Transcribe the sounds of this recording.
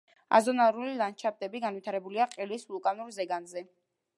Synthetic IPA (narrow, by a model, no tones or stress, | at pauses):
a̰zɔnaɾulilˠant͡ʃʰap̚t̪ʼɛbiɡanvit̪ʰaɾɛbuliaqʼilislukʼanuɾzɛɡanzɛ